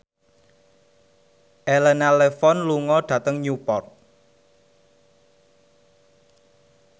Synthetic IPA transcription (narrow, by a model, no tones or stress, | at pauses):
ʔɛlɛnalefɔnluŋɔɖ̥ä̤t̪əŋɲupɔrt̪̚